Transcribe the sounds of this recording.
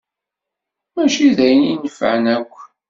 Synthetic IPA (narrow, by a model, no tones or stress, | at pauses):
mæʃiðæjəninəfə̰ʕnækʷː